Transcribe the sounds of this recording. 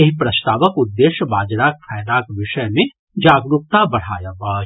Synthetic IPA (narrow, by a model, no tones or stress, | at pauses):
eɦipɾɐst̪aːʋəkʊd̪ːeːʃjəbaːd͡ʒɾaːk̚fʰɛːjd̪aːkʋɪʃəjmẽ | d͡ʒaːɡɾup̚t̪abɐɽ̤a̰ːjabaː